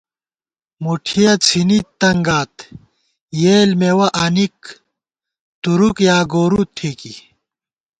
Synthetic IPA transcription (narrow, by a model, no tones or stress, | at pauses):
muʈʰijɐt͡sʰinit̪ːɐŋɡaːt̪ | jeːlmewɐʔɐnik̚ | t̪uɾukjaːɡoːɾut̪ʰiːki